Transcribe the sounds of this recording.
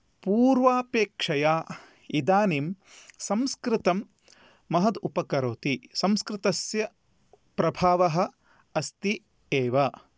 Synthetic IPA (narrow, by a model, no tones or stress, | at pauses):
puːɾʋaːpeːkʂɐjaː | id̪aːnim | sɐmskɾɪt̪ɐmː | ɐɦɐd̪upɐkɐɾoːt̪isɐmskɾɪt̪ɐsjɐ | pɾɐbʱaːʋɐɦɐ̆ | ɐst̪i | eːʋɐ